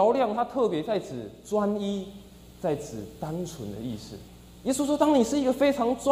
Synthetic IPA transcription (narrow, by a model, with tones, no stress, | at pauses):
ɑ˧˦ʊljɑ˥˨ŋt̪ʰa˦t̪ʰɤ˥˨pjɛ˧˥˦t͡sa˥˩ɪt͡sʰɹ̩˨˩t͡swa˦ni˦ | t͡sa˥˩ɪt͡s̩ʰ˨˩t̪a˦nt͡sʰə˧˦nd̪ə̰˧ḭ˥˧ʂɻ̩̰˥˩ | je˦˥su˥swɔ˥t̪a˥ŋni˨˩ʂɻ̩˥˩i˦˥ɡə˨fe˥ɪt͡sʰɑ˧˦ŋt͡swa˥